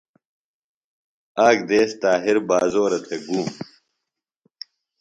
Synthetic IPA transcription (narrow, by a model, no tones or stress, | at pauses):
aːɡd̪eːst̪aːɦiɾbaːzoːɾɐt̪ʰeɡuːm